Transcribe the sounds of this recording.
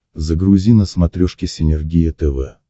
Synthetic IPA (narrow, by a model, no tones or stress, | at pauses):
zəɡɾʊzʲinəsmɐt̪ɾʲoʂkʲɪsʲɪnʲɪrɡʲijət̪ɛvɛ̰